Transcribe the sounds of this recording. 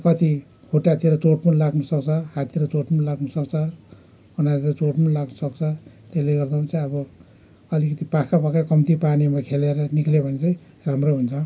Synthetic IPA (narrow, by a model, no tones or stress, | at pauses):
kʌt̪i | hʰoʈat̪ieɾʌt͡soʈmunlaɡnʌsʌkt͡sʰʌɦat̪ʰieɾʌt͡soʈmunlaɡnusʌkt͡sʰʌ | unat̪iɾʌt͡soʈmunlaɡnʌsʌkt͡sʰʌt̪esleɡʌrd̪aat͡saĩʌbʌ | ʌlikʌt̪ipakapʌkakʌmt̪ipanemakʰeleɾʌniklebʱʌnit͡sʌĩ | ramroɦunt͡sʰʌ